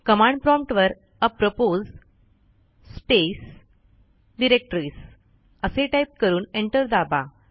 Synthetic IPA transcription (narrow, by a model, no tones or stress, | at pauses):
kəmãɳɖpɾɔ̃mpʈʋəɾ | əpɾopoz | spes | ɖiɾek̚ʈɾiːs | əseʈajp̚kəɾuːneɳʈəɾd̪aba